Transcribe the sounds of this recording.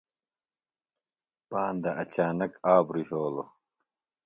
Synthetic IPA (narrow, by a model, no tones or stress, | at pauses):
paːnd̪ɐʔɐt͡ɕaːnɐkaːbɾihoːlo